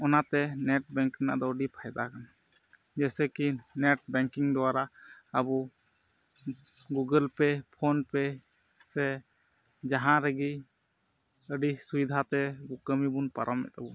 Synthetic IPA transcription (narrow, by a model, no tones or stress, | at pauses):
ɔnat̪ɛnɛʈ̚bɛŋkɾɛna̰ʔd̪ɔəɖipʰajd̪akan | d͡ʒɛsɛkinɛʈ̚bɛŋkiŋd̪ɔwaɾaəbu | ɡuɡəlpɛpʰonpɛ | sɛ | d͡ʒaɦãɾɛɡi | əɖisujd̪ʱat̪ɛɡukəmibunpaɾʔɔmːɛ̰t̪̚abɔ